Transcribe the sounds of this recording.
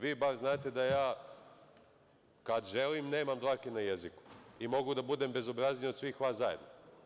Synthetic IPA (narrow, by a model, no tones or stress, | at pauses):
ʋiːbaɾznaːt̪e̞d̪ajaː | kad̪ʒelimne̞ːmamd̪ɾakenajeziku̥imo̞ɡud̪abud̪e̞ːmbe̞zobɾaznijo̞d̪sʋiːxʋaːszajed̪no